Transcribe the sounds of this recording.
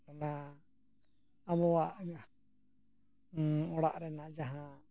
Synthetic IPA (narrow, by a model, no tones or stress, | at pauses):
nã | βɔwaɲa | ɔɽaʔɾɛnãd͡ʒaɦã